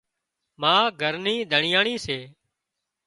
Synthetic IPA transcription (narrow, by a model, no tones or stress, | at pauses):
mãːɡʱəɾniːɗ̪ʱəɳɪjaːɳiːseː